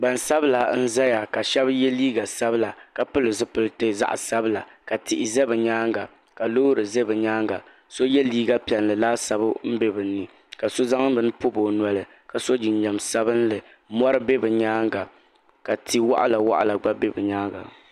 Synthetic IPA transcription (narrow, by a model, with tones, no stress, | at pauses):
ba˨nsa˦bla˨n̩˦za˦ja˨ka˨ʃɛ˦bjɛ˦liː˦ɡa˨sa˦bɨ˦la˨ka˨pɨ˦lɨ˨zɨ˦pɨ˦lɨ˦tɨ˦za̰˦ʔsa˦bɨ˦la˨ka˨tɪ˨ʔɪ˨zɛ˦bɨ˨ɲaː˦ŋɡa˨ | ka˨loː˦ɾɨ˨ze˦bɨ˨ɲaː˦ŋɡa˨ | so˦jɛ˦liː˦ɡa˦pi˨ɛ˨nlɨ˨laː˦sa˨bɨ˦m̩˦be˦bɨ˨nː˦ɨ˨ | ka˨so˦za˦ŋ˦bɨ˨nɨ˦po˦bo˨nwa˨lɨ˨ | ka˨so˦d͡ʒɪ˨n˦ɲɛ˨msa˦bɨ˦n˦lɨ˨ | mɔ˦ɾɨ˦be˦bɛ˨ɲaː˦ŋɡa˨ | ka˨ti˨wa̰˦ʔa̰˦la˨wa̰˦ʔa̰˨la˨ɡ͡ba˦be˦bɛ˨ɲaː˦ŋɡa̰˨